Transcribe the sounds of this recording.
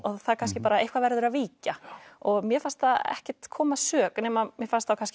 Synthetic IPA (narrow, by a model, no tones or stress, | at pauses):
ɔθakʰanscɪpaːɾaejhkvavɛɾðʏɾaðviːcaɔɣmjɛfan̥st̪aɛ̰hcɛɾ̥t̪kʰɔːmasœːknɛːmamjɛfanst̪θawkʰansc